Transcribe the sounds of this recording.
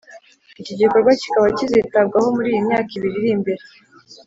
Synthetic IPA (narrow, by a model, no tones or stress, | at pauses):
iciɟiko̞ɾɡwaci̥kaβacizitabɡaho̞muɾiːjimɲaːkiβiɾiɾimbe̞ɾe